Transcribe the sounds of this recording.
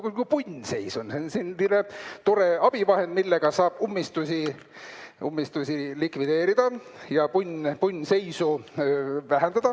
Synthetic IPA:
kukupunʲse̞jsunsensinːinet̪o̞ɾe̞ɑb̥ivɑɦe̞nd̪̥milːeɡ̥ɑsɑːb̥umːist̪usʲi | umːist̪usʲilikvid̪e̞ːɾid̪̥ɑ | jɑpunʲpunʲːse̞jsu | væɦend̪̥ɑd̪̥ɑ

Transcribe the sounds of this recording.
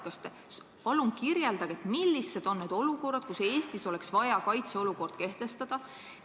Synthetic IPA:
kɑst̪e | s | pɑlumkirjeld̪ɑɡ̥et̪milːisːed̪̥o̞nːed̪̥o̞luko̞rɑd̪̥̚kuse̞ːst̪iso̞le̞ksvɑjɑkɑjt̪seo̞luko̞rd̪̥ke̞ht̪e̞st̪ɑd̪̥ɑ

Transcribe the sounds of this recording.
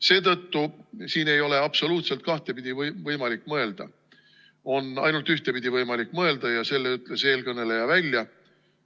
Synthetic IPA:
se̞ːt̪ɤt̪ːusiːne̞jo̞le̞ɑpso̞luːt̪se̞lt̪̚kɑht̪e̞pid̪̥ʲivvɤjmɑlikːˑmɤe̞ld̪̥ɑ̰ | o̞nɑ̰jnult̪yht̪e̞pid̪̥ʲivɤjmɑlikːˑmɤe̞ld̪̥ɑjɑse̞lːeyt̪ːˑle̞se̞ːlkɤne̞le̞jɑvælʲjɑ

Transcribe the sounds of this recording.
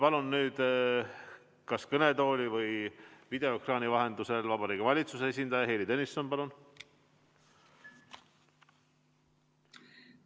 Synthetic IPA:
pɑlunːyːd̪ | kɑskɤne̞t̪o̞ːlʲivɯjvid̪e̞okrɑːnivɑɦe̞nd̪use̞lvɑbɑɾiːɡevɑlʲit̪susees̬ʲind̪ɑjɑɦejlid̪enisːo̞npɑlun

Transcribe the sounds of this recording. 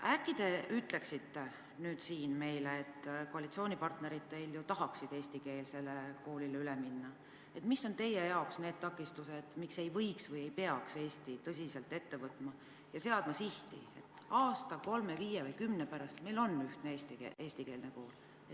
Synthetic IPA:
ækːid̪̥e̞ʔyt̪ːˑle̞ksit̪ːe̞ | nyːd̪̥siːnme̞jleːt̪ːko̞ɑlit̪sioːnʲipɑrt̪ne̞ɾid̪̥̚t̪e̞jljut̪ɑɦɑksid̪̥e̞ːsʲt̪ike̞ːlse̞leko̞ːlileyleminːɑ | e̞t̪misːo̞nt̪e̞jejɑoksneːd̪̥̚t̪ɑkːˑist̪used̪̥mikse̞jvɤjksvɤje̞jpeɑkse̞ːst̪it̪ɤs̬ʲise̞lt̪ːˑe̞t̪ːe̞vɤt̪ːˑmɑ | jɑse̞ɑd̪̥mɑsiht̪ḭe̞̰t̪ːˑ | ɑːst̪ɑko̞lme̞viːjevɯjkymnepæɾɑst̪me̞jlo̞nːyht̪neest̪ḭʔe̞ːsʲt̪ike̞ːlneko̞ːl | et̪ː

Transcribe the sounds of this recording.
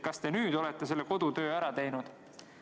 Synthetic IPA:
kɑst̪e̞nyːd̪o̞let̪ˑːe̞se̞lːeko̞d̪̥ut̪ø̞ːæɾɑt̪e̞jnud̪̥

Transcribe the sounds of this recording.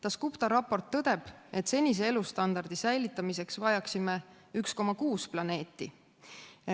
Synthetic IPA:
t̪ɑskupt̪ɑɾɑpo̞rt̪ːɤd̪̥e̞b̥e̞t̪se̞nʲis̬e̞e̞lust̪ɑnd̪ɑrd̪̥isæjlit̪ːˑɑmise̞ksvɑjɑksime | yksko̞mːɑkuːsplɑne̞ːt̪ːˑi

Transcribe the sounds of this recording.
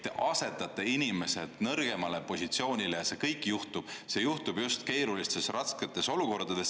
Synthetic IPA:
t̪ːeʔɑse̞t̪ːˑɑt̪ːˑeinʲime̞se̞d̪̥nɤɾɡ̥e̞mɑlepo̞sʲit̪sio̞ːnʲile̞jɑse̞kɤjkːˑjuht̪ub̥se̞juht̪ub̥just̪ke̞ːɾulist̪e̞srɑsket̪ːˑe̞so̞luko̞rd̪ɑd̪̥e̞s

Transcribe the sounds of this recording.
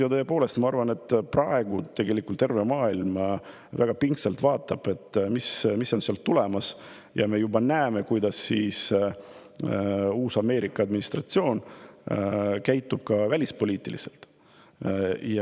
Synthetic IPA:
jɑt̪ɤːepo̞ːle̞st̪mɑɑrvɑne̞t̪ːprɑe̞ɡ̥ut̪e̞ɡ̥e̞likult̪ːe̞rve̞mɑːilm | væɡ̥ɑpiŋkselt̪vɑːt̪ːˑɑb̥e̞t̪ːmismisːo̞nseɑlt̪ule̞mɑs | jɑ̰me̞jubɑnæeme̞kujd̪̥ɑsːiːs | uːsɑme̞ːɾikˑːɑɑd̪minist̪rɑt̪sio̞ːn | kæjt̪ːˑub̥̚kɑvælʲispo̞lʲiːt̪ˑilḭse̞̰lt̪ˑ | jɑ

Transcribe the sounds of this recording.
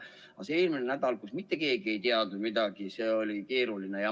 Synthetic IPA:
ɑ̰seeːlminenæd̪̥ɑlkusmit̪ˑːe̞ke̞ːɡie̞jt̪iɑd̪umid̪ɑɡ̥iseːolʲike̞ːɾulinejɑ

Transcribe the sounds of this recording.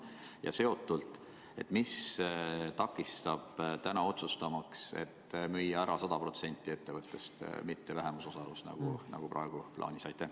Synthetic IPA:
jɑ̰se̞o̞t̪ːˑult̪ˑ | e̞t̪ːmis | t̪ɑkːˑist̪ɑb̥t̪ænɑo̞t̪sust̪ɑmɑkse̞̰t̪ːmyjːɑæɾɑsɑd̪̥ɑpro̞t̪se̞nʲt̪ːˑie̞t̪ːe̞vɤt̪ˑːe̞st̪mit̪ːe̞væɦe̞muso̞sɑlusnɑ̰ɡ̥unʔɑ̰ɡ̥uprʔɑ̰eɡ̥uplʔɑ̰ːnʲisɑjt̪ːˑæ

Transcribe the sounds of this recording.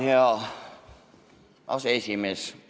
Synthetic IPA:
ɑ | ɑsesimes

